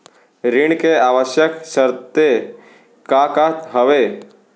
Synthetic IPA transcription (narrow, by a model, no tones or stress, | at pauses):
ɾiɳkeaːʋəʃjəksəɾt̪e | kakat̪ɦəʋe